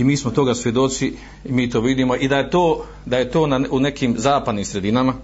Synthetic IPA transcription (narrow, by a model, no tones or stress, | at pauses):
imiːsmot̪o̞ɡasʋjed̪o̞t̪si | imiːt̪o̞ːʋid̪imo̞ʔid̪ajet̪oː | d̪aje̞t̪o̞ːnaune̞kiːmzaːpad̪nimsɾe̞d̪inama